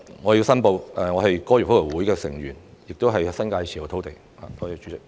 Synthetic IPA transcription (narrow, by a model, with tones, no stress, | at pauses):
ŋɔː˨˧ji˧wsɐ˥npo˧wɛ˨ŋɔː˨˧ɦɐ˨jkɔː˥jy˨˩fo˥lɔ˨˩wuː˨˥jkɛː˧sɪ˨˩ŋɥyː˨˩njɪ˨k̚t̪o˥wɦɐ˨jsɐ˥nkaː˧jt͡sʰiː˨˩jt̪ʰo˨˥wt̪e˨˩j | ha̰ː˨t̪ʰɔː˧˥ji˧t͡ʃyː˨˧˥t͡sɪ˨k̚